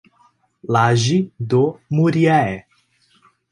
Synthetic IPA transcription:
laʒid̪omuɾiaɛ

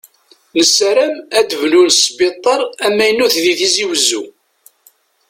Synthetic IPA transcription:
nəsɾæmæd̪əvlunsˤbit̪ˤːɑɾˤæmːæjənːuθðiθiziwəzːṵ

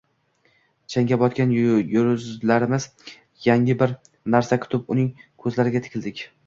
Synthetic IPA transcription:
t͡ʃʰaŋɡʲabɒt̪kʲanjɾzlaɾɪmɪz̥ | jaŋɪbɪɾ | naɾsakʰʊ̥t̪ʰɪpʊnɪŋkʰɵzlaɾɪɡʲat̪ʰɪ̥kʰʲɪlʲd̪ɪkʲ

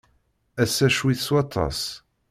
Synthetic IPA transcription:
æsːæʃwiθswɑt̪ˤːɑ̰s

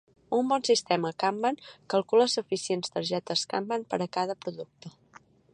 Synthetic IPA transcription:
umbɔnsist̪ɛməkambəŋkəlˠkuləsufisienst̪əɾʒɛt̪əska̰mbənpəɾəkaðəpɾuðuk̚t̪ə

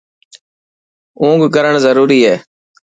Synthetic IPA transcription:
ũːɡkəɾəɳzəɾuːɾiːɦɛː

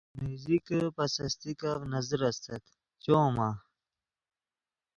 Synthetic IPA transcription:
mizikpɐsɐst̪ikɐvnɐzɾɐst̪ɐt̪ | t͡ɕoːma

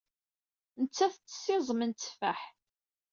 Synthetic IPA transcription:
nət͡sːæθt͡sːə̥sːɪzˤəmənt͡sːfæħ

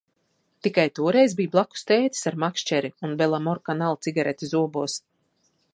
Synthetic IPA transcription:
t̪ikajt̪uɔɾɛjzbijblˠaku̥st̪eːt̪i̥saɾmakʃt͡ʃɛɾiunbɛlˠamɔɾkanalˠt̪siɡaɾɛt̪ʲizuɔbuɔs

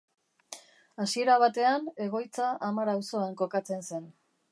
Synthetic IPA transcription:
asie̞ɾaβ̞at̪e̞ane̞ɣ̞o̞jt͡saʔamaɾawso̞aŋko̞kat͡se̞nse̞n

